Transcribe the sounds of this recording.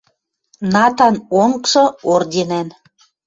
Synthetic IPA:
nɑt̪ɑnoŋkʃɤ̆ord̪ʲenæn

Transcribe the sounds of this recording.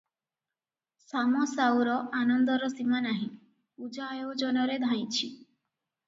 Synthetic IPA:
samɔsawɾɔʔanɔnd̪ɔɾɔsimanaɦĩ | ud͡ʒaewd͡ʒɔnɔɾed̪ʱãj̃t͡ʃʰi

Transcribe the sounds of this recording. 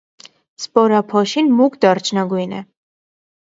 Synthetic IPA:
spɔɾɑpʰɔʃinmukd̪ɑrt͡ʃʰnɑɡujnɛ

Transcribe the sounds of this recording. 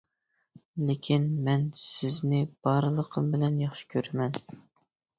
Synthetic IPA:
lekʲʰinmɛnsɪznɪb̥ɑɾlˠəqʰəmbɪlɛnjɑχʃɪ̥kʲʰøɾɪmɛn

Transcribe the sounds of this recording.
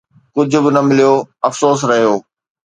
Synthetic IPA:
kʊd͡ʑʱʊ̆bɪnɐmɪlijoːɐfsoːs̬ɾɐɦijoː

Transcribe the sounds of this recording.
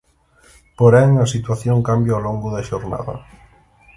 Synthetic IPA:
poɾɛŋɐsit̪waθjoŋkambjaoloŋɡuðaʃoɾna̰ðɐ̰

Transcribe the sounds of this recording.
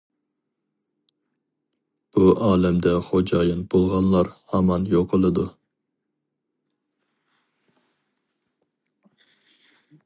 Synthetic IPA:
b̥uʔɑːlɛmd̪ɛχod͡ʒɑjɑnb̥olˠʁɑnlˠɑɾhɑmɑnjoqʰːəlˠɨd̪u

